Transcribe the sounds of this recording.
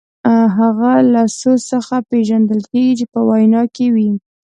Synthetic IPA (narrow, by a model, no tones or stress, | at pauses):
ɦaɣalasosəxapeʒand̪əlkeɡit͡ʃepəwajnɑkewi